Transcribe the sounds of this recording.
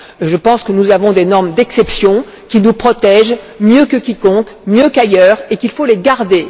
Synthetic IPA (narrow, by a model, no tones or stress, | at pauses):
ʒəpɑ̃skənuzavɔ̃d̪enɔʁmd̪ɛksɛpsjɔ̃ | kʲinupχɔt̪ɛʒ | mjøkəkʲikɔ̃kmjøkajœːʁekilfoleɡaʁd̪e